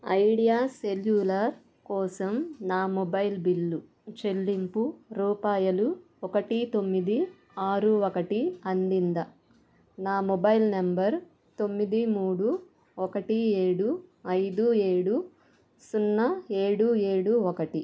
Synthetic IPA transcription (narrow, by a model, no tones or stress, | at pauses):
ɐ̰jɽijaːseljuːlɐɾ | kɔːsɐmnaːmɔbɐjlbilːu | t͡ʃe̞lːimpuɾuːpaːjɐlu | ɔkɐʈit̪o̞mːid̪i | aːɾuɔkɐʈiɐnd̪ind̪ɐ | naːmɔbɐjlnembɐɾ | t̪o̞mːid̪imuːɽu | ɔkɐʈieːɽuɐjd̪ueːɽu | sunːɐe̞ːɽue̞ːɽuɔkɐʈi